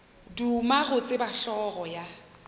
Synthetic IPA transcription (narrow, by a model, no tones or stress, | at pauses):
dumaɣʊt͡sʼɪbaɬɔɣɔja